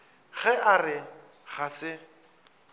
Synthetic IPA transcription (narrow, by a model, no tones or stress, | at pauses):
ɣɛʔarɪ | ɣasɪ